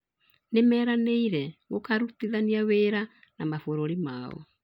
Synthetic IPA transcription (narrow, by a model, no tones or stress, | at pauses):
nemɛːɾaneiɾɛɣokaɾutiðaniaweːɾa | namafoɾoɾimaːɔ̰